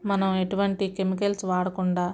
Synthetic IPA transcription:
mɐnɐme̞ʈuʋɐɳʈike̞mikɐlsʋaːɽɐkuɳɖaː

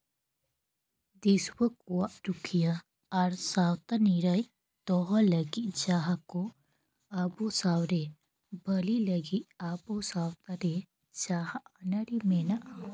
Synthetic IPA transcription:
d̪iswəkuwaʔɾukʰija | ɐɾsaːwt̪aniɾaj | t̪ɔɦɔləɡid͡ʒaːɦako | abosaːwɾe | bəliləɡiabosawt̪aɾe | d͡ʒaːɦaanɐɾimenaʔa

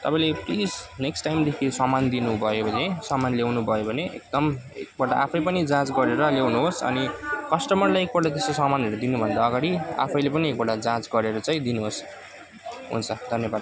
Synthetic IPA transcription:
t̪ʌpaĩleplid͡zneksʈajmd̪ekʰisʌmand̪inubʱʌjobʱʌnesʌmanlewnubʱʌjobʱʌneʔek̚d̪ʌm | ḛk̚bʌʈa̰ʔa̰pʰʌjpʌnid͡zãt͡sɡʌɾeɾʌlewnuɦosʌ̰nikʌsʈʌmʌrlajek̚bʌʈat̪esosʌmaneɾod̪inubʱʌneɾaːɡaɽia̰pʰʌjlepʌniek̚bʌɽad͡zãt͡sɡʌɾeɾʌt͡saĩd̪inuɦos | ɦṵnt͡sʰʌd̪ʱʌnjʌbad̪̚

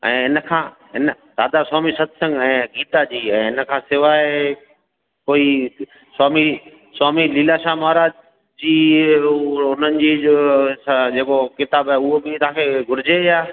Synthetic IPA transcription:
ɛ̰̃ːɦɪnəkʰãː | ɦɪnəsaːd̪asaːmisɐt̪ʰsə̃ŋɡɛ̃ːɡiːt̪ad͡ʑiːɛ̃ːɦɪnəkʰãːsɪʋaːe | koːi | saːmi | saːmiliːlaʃaːmaɦɾaːd͡ʑ | d͡ʑiː | ʊn̤ənɪ̆d͡ʑiːosd͡ʑeːkokɪt̪aːbaʊɦobɪt̪ʊɦãkʰeɡʱʊɾɪd͡ʑejaː

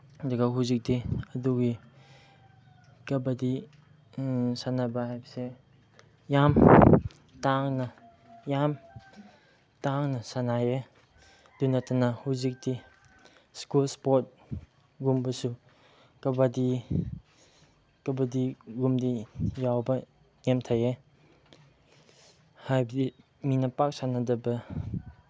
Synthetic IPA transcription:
dɔɡaɦuzik̚diɐduɡi | kɐbadi | sanabahajbɐse | jam | taŋna | jam | taŋnɐsanaje | dunatanahuzik̚di | skulspot̚ | ɡumbɐsu | kɐbadi | kɐbɐdiɡumdijawbɐ | nemtʰaje | hajbɐdi | minɐpak̚sanadɐbɐ

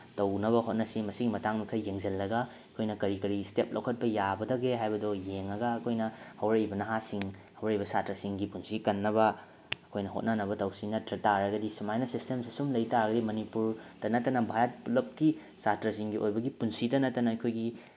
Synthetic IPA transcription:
tɐwnɐβɐhot̚nɐsimɐsiɡimɐtaŋmikʰɐjːeŋzɐlːɐɡɐ | ɐkʰojnɐkɐɾikɐɾistep̚lʔo̰wkʰɐt̚pɐjabɐdɐɡeɦajbɐdojeŋːɐɡɐːkʰojnɐhɐwɾɐjbɐnɐɦasiŋ | hɐwɾɐjbɐsatɾɐsiŋɡipunsikɐnːɐbɐ | ɐkʰojnɐɦo̰t̚nɐnɐbɐtɐwsinɐtɾɐtaɾɐɡɐdisimajnɐsistemsisumlɐjtaɾɐɡɐdimɐnipuɾd̥ɐnɐtːɐnɐbʱaɾɐt̚pulɐp̚ki | satɾɐs̬iŋɡiʔojbɐɡipunsidɐnɐtːɐnɐɐkʰojɡi

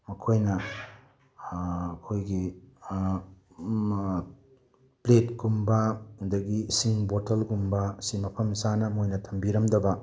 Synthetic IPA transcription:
mɐkʰojnɐ | kʰojɡi | pletɡumbɐdɐɡisiŋbotʰɐlɡumbɐsimɐpʰɐmsanɐmojnɐtʰɐmbiɾɐmdɐbɐ

